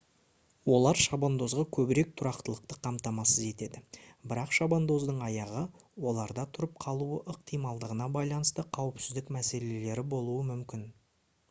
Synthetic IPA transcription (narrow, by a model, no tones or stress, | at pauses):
wo̞lˠɑɾʃɑbond̪o̞zʁɑkʲʰɵbɪɾe̞k̚t̪ʰʊɾɑqt̪əlˠəq̚t̪əqʰɑmt̪ɑmɑsəze̞t̪e̞d̪ɪbɪɾɑqʃɑbond̪o̞zd̪əɴɑjɑʁə | wo̞lˠɑɾd̪ɑt̪ʰʊɾəp̚qʰɑlˠuəʔəq̚t̪ʰijmɑlˠd̪əʁənɑbɑjlˠɑnəst̪əqʰɑwɪpsɪzd̪ɪkmæse̞le̞le̞ɾɪbo̞lˠuəmʏmkʲɪn